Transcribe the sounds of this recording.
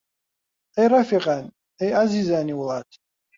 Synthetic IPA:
ɛjɾafiqʼan | ɛjazizaːniwlˠat̪ʰ

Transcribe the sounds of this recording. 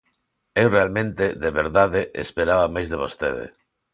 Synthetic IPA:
ewrealmẽnt̪eðeβeɾðaðeʔespeɾaβamajzðeβ̞ost̪eð̞ḛ

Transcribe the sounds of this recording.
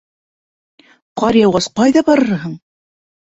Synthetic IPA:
qɑɾjɑwʁɑsqɑjðɑbɑɾɤɾɦɤɴ

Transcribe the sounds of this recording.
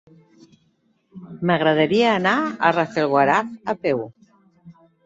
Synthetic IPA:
məɣɾəðəɾiaːnaə̰rafelˠɣwaɾatəpɛw

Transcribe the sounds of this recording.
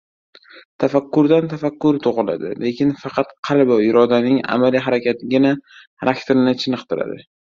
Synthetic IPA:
t̪ʰafakʲːʊɾd̪ant̪ʰafakʲːʊɾɪt̪ʰoʁɨla̰d̪ɪ̰le̞kʲʰɪnfɑqʰɑt̪qʰɑlˠbɒjɪɾɒd̪anɪŋa̰maliɦaɾakʲat̪ʰɪɡʲɪna | ɾʔakʲt̪ʰeɾɪnɪt͡ʃʰɪnɨqt̪ɪɾa̰d̪ɪ

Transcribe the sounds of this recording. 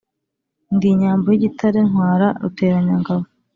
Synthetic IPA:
ndiɲaːmbojiɟitʰaɾenhwaːɾaɾṵte̞ːɾaɲaŋɡaβo

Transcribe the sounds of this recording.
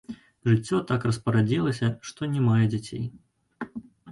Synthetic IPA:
ʐɨt͡sʲːɔt̪akrɐspɐɾad͡zʲilˠɐsʲɐʂt̪ɔnʲɛmajɛd͡zʲat͡sʲḛj

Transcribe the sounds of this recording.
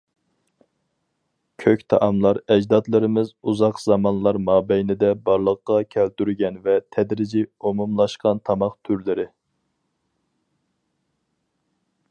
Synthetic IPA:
kʲʰøkʲt̪ʰɑʔɑmlˠɑɾɛd͡ʒd̪ɑt̪lˠɨɾɪmɪzuzɑqz̥ɑmɑnlˠɑɾmɑːbɛjnɪd̪ɛbɑɾlˠəqːɑkʲʰælt̪yɾɡʲɛnvɛt̪ʰɛd̪ɾɪd͡ʒiumumlˠɑʃqɑnt̪ʰɑmɑqt̪ʰyɾlɪɾɪ

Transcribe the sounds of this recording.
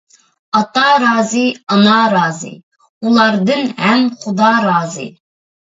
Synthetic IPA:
ɑt̪ɑɾɑːzɨɑnɑɾɑːzɨ̰ | ulˠɑɾd̪ɨnhɛmχʊd̪ɑɾɑːzɨ̰

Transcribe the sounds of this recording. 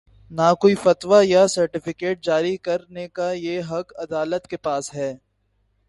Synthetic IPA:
nakoːifɐt̪ʋajasɐɾʈɪfɪkeːʈ̚d͡ʒaːɾikɐɾnekajeɦɐkɐd̪aːlət̪kepaːsɦɛː

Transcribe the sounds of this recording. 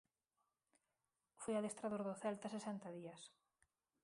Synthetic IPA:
fojaðest̪ɾaðoɾðʊθɛlt̪ɐsesɛnt̪ɐðiɐs

